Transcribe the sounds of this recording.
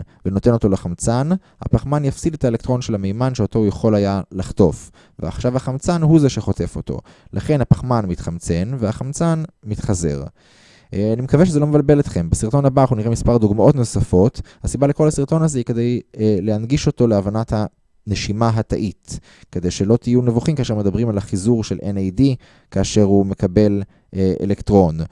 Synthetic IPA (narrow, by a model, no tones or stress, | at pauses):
veno̞t̪e̞no̞t̪o̞leχamt͡san | ha̰paχmanjafsidet̪aelekt̪ʁo̞nʃelamejmanʃeot̪o̞jaχo̞lajalaχt̪o̞f | vea̰χʃavhaχamt͡sanɦuzeʃeχo̞te̞fo̞t̪o̞̰ | laχe̞nhapaχmanmit̪χamt͡se̞nveaχamt͡sanmit̪χaze̞̰ʁ | animekaveʃ̬ezelo̞mevalbe̞let̪χe̞mbesiʁt̪o̞nabaχuniʁemispaʁd̪uɡmaʔo̞t̪no̞safo̞t̪hasibaleko̞lasiʁt̪o̞nazeike̞d̪ejleanɡiʃo̞t̪o̞leavanat̪ha | neʃimaɦat̪aʔit̪ | ke̞d̪e̞jʃelo̞t̪ijunevuχimkaʃe̞med̪abʁimalaχizuʁʃe̞lʔenejdi | kaːʃe̞ʁhume̞kabe̞l | eḛlekt̪ʁo̞n